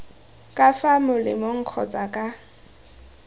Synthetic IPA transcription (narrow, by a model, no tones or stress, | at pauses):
kʼafamʊlɪmoŋ̩q͡χʰɔ̰t͡sʼakʼa